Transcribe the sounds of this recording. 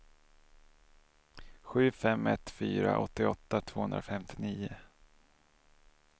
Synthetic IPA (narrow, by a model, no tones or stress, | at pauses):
ɧʉ̟ːfɛmːɛt̪fyːɾa̰ʔɔt̪ːɪɔt̪ːat̪ʰv̥oːhɵnd̪ɾafɛmt̪ʰɪniːʊ